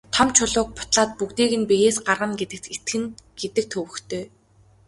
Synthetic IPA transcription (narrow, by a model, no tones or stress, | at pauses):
t̪ʰɔmt͡ɕʰʊɮʊːk̚pʊ̥t̪ɮaːt̪̚pukt̪eːɣɘ̆npijeːsɢarʁə̆ŋɡet̪ɘ̆k̚t̪et̪ɡɘ̆ŋɡ̥et̪ɘ̆k̚t̪ʰɵwɵ̆xt̪ʰøː